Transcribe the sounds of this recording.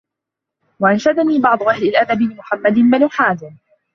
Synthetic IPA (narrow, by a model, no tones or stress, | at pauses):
waʔanʃad̪aniːbɑʕd̪ˤʊʔahlɪlʔad̪abɪlɪmʊħamːad̪ɪnmanʊħaːzɪm